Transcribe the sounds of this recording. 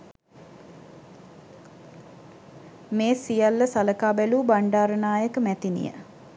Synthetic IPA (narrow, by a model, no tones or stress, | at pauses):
meːsijalːəsaləkaːbæluːbaɳɖaːɾənaːjəkəmæt̪inḭjə̰